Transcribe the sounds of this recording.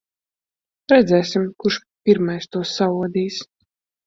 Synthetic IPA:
ɾɛd̪zɛːsimkuɾʃ | piɾmajst̪uɔsːauɔd̪iːs

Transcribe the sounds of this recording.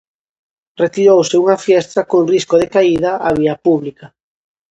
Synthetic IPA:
ret̪iɾowsɪuŋɐfjɛst̪ɐkoŋriskoðekaiðɐʔaβiɐpuβlikɐ

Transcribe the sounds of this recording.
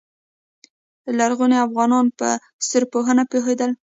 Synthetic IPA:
laɾɣuneafɣɑnɑnpə̰ | st̪əɾpoɦənapexed̪əl

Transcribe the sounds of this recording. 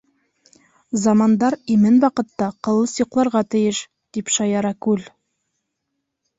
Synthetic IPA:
zɑmɑnd̪ɑɾimɘnwɑqɤ̆t̪ːɑqɤ̆lˠɤsoqlˠɑɾʁɑt̪ɘ̆jɘʃ | d̪̥ipʃɑjɑɾɑkʉl

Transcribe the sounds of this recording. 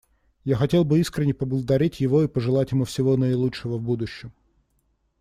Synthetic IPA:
jaxɐtʲe̞lˠbɨiskɾʲɪnʲɪpəblˠəd̪ɐɾʲetʲjɪvo̞ipəʐɨlˠatʲjɪmufsʲɪvonəɪlˠutt͡ʂʂɪvəvbud̪ʊɕːɪm

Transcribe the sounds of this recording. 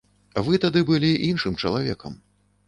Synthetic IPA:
vɨt̪ad̪ɨbɨlʲiʔinʂɨmt͡ʂɐlˠavʲɛkɐ̰m

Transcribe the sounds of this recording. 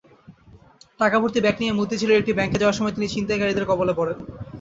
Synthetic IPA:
ʈakabʱuɾt̪ibɛknijemud̪ːit͡ɕʰiloek̚ʈibɛŋked͡ʑaoaɾʃɔmɔet̪init͡ɕint̪akaɾid̪eɾkɔbolepɔɽen

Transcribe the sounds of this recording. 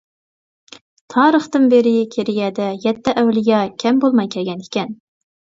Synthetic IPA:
t̪ʰɑːɾəχt̪ɨnbeɾɪkʲʰeɾɪjɛd̪ɛjɛt̪ːɛʔæwlɪjɑkʲʰɛmbolˠmɑjkʲʰɛlɡʲɛnɪkʲɛn

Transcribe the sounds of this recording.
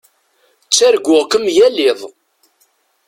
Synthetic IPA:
t͡sːæɾɡʷʊʁkəmjælɪðˤ

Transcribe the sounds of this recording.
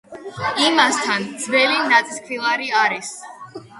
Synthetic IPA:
imast̪ʰand̪z̥vɛlinat̪sʼiskʰvilˠaɾiaɾis

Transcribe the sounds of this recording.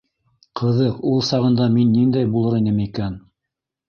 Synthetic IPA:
qʰɤ̆ðɤqulˠsɑʁɤ̆nd̪ɑminːind̪æjbulˠɤɾinɘmikæn

